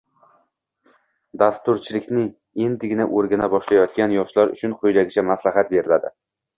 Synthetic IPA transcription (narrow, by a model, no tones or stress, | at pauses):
d̪ast̪ʊɾt͡ʃʰɪlɪkʲnɪ | end̪ɪɡʲɪnaʔoɾɡʲanabɒʃlajɒt̪̚ɡʲanjɒʃlaɾʊ̰t͡ʃʰʊnqʰojlaɡʲɪt͡ʃʰamaslaɦat̪be̞ɾɪlad̪ɪ